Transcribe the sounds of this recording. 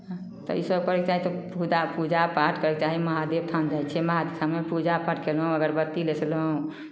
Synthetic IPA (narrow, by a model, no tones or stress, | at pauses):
ɦ | t̪ɔ̰isəbkəɾeket͡ʃaɦit̪ɔpud͡ʒapud͡ʒapaʈʰkəɾɛket͡ʃaɦiməɦad̪eb̚t̪ʰand͡ʒajt͡ʃʰɛməɦad̪esamepud͡ʒapaʈʰkelɦũəɡəɾbət̪ːilesʰlɦũ